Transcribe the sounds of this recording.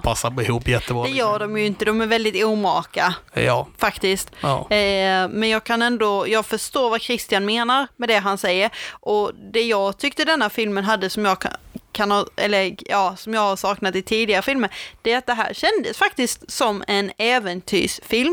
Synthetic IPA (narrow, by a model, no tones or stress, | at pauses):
pʰasːapɪɦuːpːjɛt̪ːəbɔd̪ɛjœːɖɔmjɵɪnt̪əd̪ɔmæɾvɛld̪ɪt̪uːmɑːka | fakt̪ɪst̪ː | mɛnjɑːɡkʰanɛnd̪ɔjɑːɡfœʂt̪oːɾvakʰɾɪst̪ɪanmeːnaɾmɛd̪ɛɦansɛjːəɾʔɔd̪ɛjɑːɡt̪ʰʏkt̪əd̪ɛnːafɪlmənɦad̪ːəsɔmjɑːkkʰanhɑɛ̰lːəɾjɑːsɔmjɑːɡhaʂɑːknat̪ɪt̪ʰiːd̪ɪɡaɾəfɪlməɾd̪̥ɛæɾat̪̚d̪ɛɦæ̰ːɾɕɛnd̪əsfak̚t̪ɪskt̪sɔmːɛnɛːvɛnt̪ʰy̰ːʂfɪlm